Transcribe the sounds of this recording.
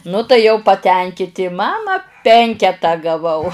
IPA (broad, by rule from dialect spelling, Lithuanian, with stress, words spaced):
nʊ tɐɪ ˈjɛʊ pɐˈtʲɛŋʲkʲɪtʲɪ ˈmɑːmɐ ˈpʲɛŋʲkʲɛtɑː ɡɐˈʋɐʊ